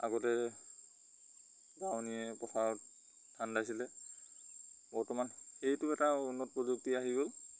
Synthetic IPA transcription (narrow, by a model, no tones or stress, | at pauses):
a̰ɡɔtɛ | ɡawniɛpɹɔxʰat | tʰandajsilɛ | bɔɹtɔmanxejtʊɛtaunːɔt̚pɹɔzuk̚tiaɦiɡol